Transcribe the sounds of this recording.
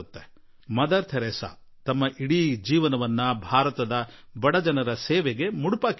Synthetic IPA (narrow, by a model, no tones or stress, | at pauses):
ut̪ːe | mɐd̪ɐɾt̪ʰɐɾeːsa̰ | t̪ɐmːɐʔiɽid͡ʒiːʋɐnɐʋɐnːɐbʱaːɾɐt̪ɐd̪ɐbɐɽɐd͡ʒɐnɐɾɐseːʋeɡe̞muɽupaːk